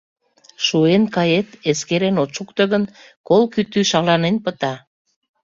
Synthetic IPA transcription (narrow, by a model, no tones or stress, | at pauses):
ʃuenkɑjet̪eskeɾenot͡ʃukt̪ə̆ɣən | kolkyt̪yʃɑlɑnenpət̪ɑ